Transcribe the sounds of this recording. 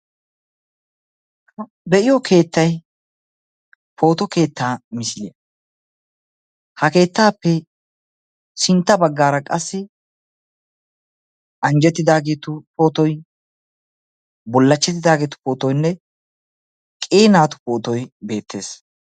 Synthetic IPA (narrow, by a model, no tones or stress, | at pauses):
hɐ | bɛʔɪjɔkʰe̞ːt̪ːɐj | pʰo̞ːt̪ɔke̞ːt̪ːaːmɪsɪlɪjɐ | hɐke̞ːt̪ːaːpːɛ | sɪnt̪ːɐbɐɡːaːɾɐkʼɐsːɪ | ʔɐnd͡ʒɛt̪ːɪd̪aːɡeːt̪ʊpoːt̪ɔj | bɔlːɐt͡ʃːɛt̪̬ːɪd̪aːɡeːt̪ʊ̥poːt̪ɔjnːɛ | kʼeːnaːt̪ʊ̥poːt̪ɔjbe̞ːt̪ːe̞ːs